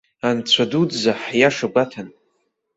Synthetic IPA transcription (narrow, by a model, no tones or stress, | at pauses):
ant͡ɕʷʰaduzaħjaʂaɡʷatʰan